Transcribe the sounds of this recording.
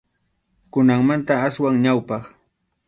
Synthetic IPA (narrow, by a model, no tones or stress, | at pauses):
kʊnaŋmant̪aaswaŋɲawpɑχ